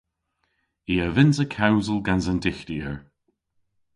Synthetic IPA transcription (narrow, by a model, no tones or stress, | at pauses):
iəvɪnsəkʰawnzəlˠɡanzəndɪxtiəɹ